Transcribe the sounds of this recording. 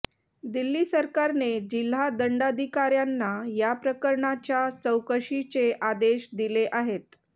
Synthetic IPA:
d̪ilːiːsəɾkaɾned͡ʑil̤ːad̪əɳɖad̪ʱikaɾjanːajapɾəkəɾɳat͡ɕjat͡səwkəɕit͡seʔad̪eɕd̪ileʔaɦet̪̚

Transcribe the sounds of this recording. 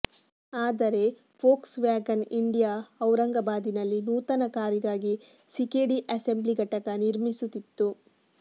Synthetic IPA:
aːd̪ɐɾe̞ | pʰoːksʋjaːɡɐniɳɖijaːɐwɾɐŋɡɐbaːd̪inɐlːinuːt̪ɐnɐkaːɾiɡaːɡi | sikeːɽiʔɐse̞mbliɡɐʈɐkɐniɾmisut̪ːit̪ːu

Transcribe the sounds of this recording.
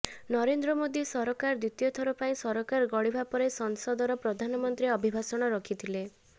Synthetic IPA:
nɔɾend̪ɾɔmod̪isɔɾɔkaɾd̪ɾit̪ijɔt̪ʰɔɾɔpaĩsɔɾɔkaɾɡɔɽibʱapɔɾesɔnsɔd̪ɔɾɔpɾɔd̪ʱanɔmɔnt̪ɾiɔbʱibʱasɔɽ̃ɔɾɔkʰit̪ʰile

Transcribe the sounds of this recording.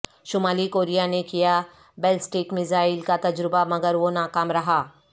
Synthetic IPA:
ʃʊmaːlikoːɾijanekija | bɛːlsʈɪkmɪzaːɪlkat̪ɐd͡ʒɾɪbamɐɡəɾʋonaːkaːmɾɐɦaː

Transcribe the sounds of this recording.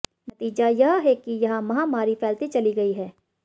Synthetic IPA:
nɐt̪iːd͡ʒajɐɦɦɛkijɐɦãmɐɦãmaːɾifɛːlt̪it͡ʃɐliɡɐiɦɛː

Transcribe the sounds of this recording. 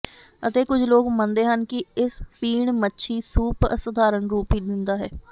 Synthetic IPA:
ət̪eːkʊd͡ʒʰloːɡmənd̪eːɦənkɪɪspiːɳmətːʃʰiːsuːpsəd̪ʱaːɾəɳɾuːpiːd̪ɪnd̪aːɦɛː

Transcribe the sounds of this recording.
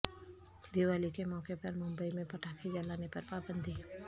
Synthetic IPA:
d̪iːʋaːlikemɔːkepɐɾmʊ̃mbəimẽpɐʈʰaːkid͡ʒalaːnepɐɾpaːbə̃nd̪ʱi

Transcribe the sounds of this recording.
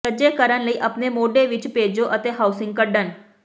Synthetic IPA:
əd͡ʒekəɾənləiːʔɐpnemoːɖeʋɪt͡ʃpeːd͡ʒoʔət̪eɦaːʊsɪ̃ŋɡ̚kəɖən

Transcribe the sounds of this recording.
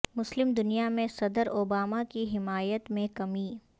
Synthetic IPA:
mʊslɪmd̪ʊnijamẽsɐd̪əɾoːbaːmakiɦɪmaːjət̪mẽkɐmiː

